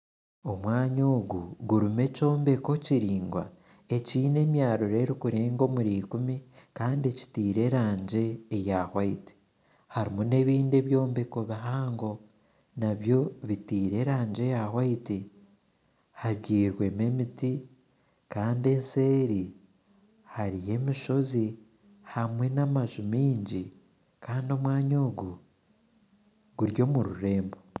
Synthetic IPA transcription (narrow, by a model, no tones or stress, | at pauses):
o̞mwaːɲoːɡuɡuɾume̞co̞ːmbe̞ko̞ciɾiːŋɡwa̰ | e̞ciːne̞mjaːɾuɾe̞ɾikuɾeːŋɡo̞muɾiːkumikaːndie̞ci̥tiːɾe̞ɾaːɲɟe̞ːjahwaiti̥ | haɾimune̞βiːnde̞βjo̞ːmbe̞ko̞βiɦaːŋɡo̞ | naβjo̞βitiːɾe̞ɾaːɲd͡ʒe̞jahwaiti | haβɟiːɾwe̞me̞miti | kaːnde̞nse̞ːɾi | haɾije̞miʃo̞zi | hamwe̞namaʒumiːɲɟi | kaːndo̞mwaːɲoːɡu | ɡuɾjo̞muɾuɾe̞ːmbo